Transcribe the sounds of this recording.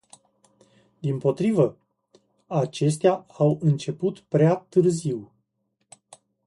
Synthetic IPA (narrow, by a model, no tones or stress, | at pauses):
d̪impo̞t̪ɾivə | at͡ʃe̞s̬t̪eaawɨnt͡ʃe̞put̪pɾeat̪ɨrziw